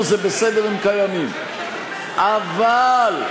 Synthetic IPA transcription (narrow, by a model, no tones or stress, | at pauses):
zebesed̪eʁimkajamim | ʔaval